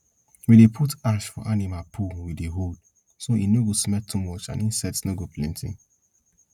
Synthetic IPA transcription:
widepʰutaʃfɔ̰ʔanimapʰuwideɦod | soinoɡosmɛtʰːumɔt͡ʃã̰nĩnsɛtsnoɡoplĩntḭ̃n

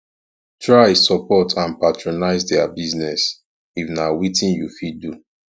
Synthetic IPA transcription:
tɹaɪsɔpɔtʰãnpatɹonaɪzdɛabiznɛs | ifnawitĩnjufidu

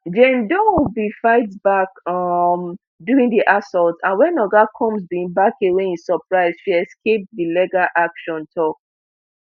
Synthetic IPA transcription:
d͡ʒẽmdɔ̃wibifaɪtbakɔm | duɹĩŋdiʔasɔltãnwɛ̃nɔɡakʰɔ̃msbiĩŋbakeweĩnsɔpɹaɪz̥ʃiɛskep̚dilɛɡaʔakʃɔ̃ntʰɔk

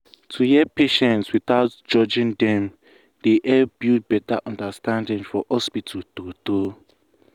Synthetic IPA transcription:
tʰujɛpeʃɛ̃ntswiθaʊtd͡ʒɔd͡ʒɪ̃ndɛ̃m | d̥eʔɛbjud̚bɛtaʔɔ̃ndastãndɪ̃ŋfɔhɔspitʰatoto

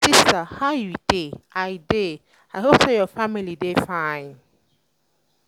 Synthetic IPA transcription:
sistahajudeajde | aɦobsɛjɔfamilidefãɪ̃n

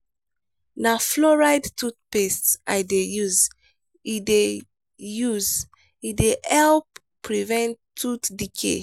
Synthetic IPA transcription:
naflɔɹajdtʰut̚pestsa̰ɪdejuz | ide | juz | ideɛlp | pːɹivɛ̃nttʰːutdikʰḛ

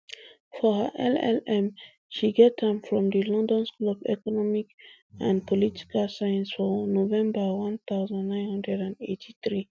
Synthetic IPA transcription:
fɔhə̰ʔɛlɛ̰lɛ̃m | ʃiɡɛthɛ̃mfɹɔ̃mdəlɔ̃ndɔ̃nsklɔbɛ̰kɔnɔmik | ãnpʰɔlitʰi̥kalsajə̃nsfɔnovɛ̃mbəwʌ̃nt̪aʊzãndːãɪ̃nhʌ̃ndɹɛdãnetʰiθɹi

